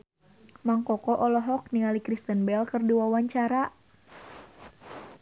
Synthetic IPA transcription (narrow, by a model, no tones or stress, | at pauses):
maŋkɔkɔʔɔlɔɦɔk̚niŋalikɾist̪ənbɛlkɨrdiwawaɲt͡ʃaɾa